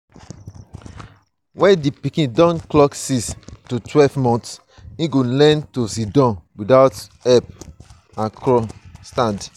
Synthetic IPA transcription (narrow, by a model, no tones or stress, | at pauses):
wɛ̃ndipikĩndɔ̃nklɔksistutwɛlvmɔ̃nts | ĩɡolɛ̃ntosidɔ̃nwidaʊt | ɛp | ãkɹɔstãnd